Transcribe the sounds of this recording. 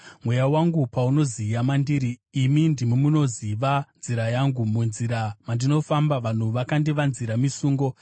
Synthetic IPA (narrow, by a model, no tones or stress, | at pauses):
mwe̞jawaŋɡupauno̞zijamandiɾiːmindimimuno̞ziʋanziɾajaŋɡumunziɾamandino̞fambaʋan̤uʋakandiʋanziɾamisuːŋɡo̞